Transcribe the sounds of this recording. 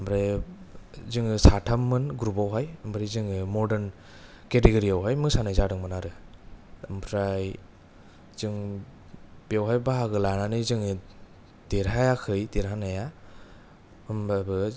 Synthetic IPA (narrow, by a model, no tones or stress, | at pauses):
mbɾe | zɯŋɯsatʰamːɯnɡɾupawɦajɯmbʰɾejzɯŋɯmɔɾdeɾn | keteɡɯɾiawɦajmɯsanajzadɯŋmɯnaɾɯ | mbʰɾaj | zɯŋ | biawɦajbaɦaɡɯlananɯzɯŋɯ | d̥eɾɦajakʰɯjdeɾɦanaja | ɯmabɯ